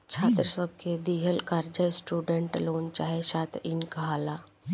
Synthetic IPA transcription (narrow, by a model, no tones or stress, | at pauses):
t͡ʃʰaːt̪ɾəsəb̚ʱked̪iːɦəlkaːɾd͡ʒəsʈuːɖẽɳʈloːnt͡ʃaːɦeʃaːt̪ɾɪnkaɦaːlaː